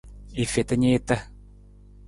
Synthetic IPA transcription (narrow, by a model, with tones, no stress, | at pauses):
i˨fe˨t̪ə˦ɲe˦t̪ə˦